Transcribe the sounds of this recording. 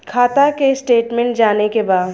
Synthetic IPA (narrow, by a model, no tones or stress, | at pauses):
kʰaːt̪akesʈeːʈmɛ̃ɳʈd͡ʒaːnekebaːd̪